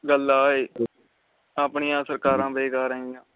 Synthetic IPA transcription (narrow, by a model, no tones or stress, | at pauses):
ɡəlːaːeː | aːpɳijãːsəɾkaːɾãːbeːɡaːɾəɦijãː